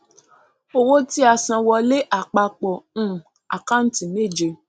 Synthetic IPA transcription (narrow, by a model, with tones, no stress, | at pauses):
o˧wo˦ti˦a˧sã˨˧wɔ˧le˦ʔa˨k͡pa˧k͡pɔ̃˨˦˨ | a̰˨ka˦n̩˦ti˨ne˦˨d͡ʒe˧